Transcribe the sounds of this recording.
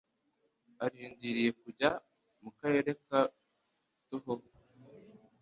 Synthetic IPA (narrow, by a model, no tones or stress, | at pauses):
aɾiːndiɾije̞kuɟa | mukaɾe̞ːɾeka | tuɦo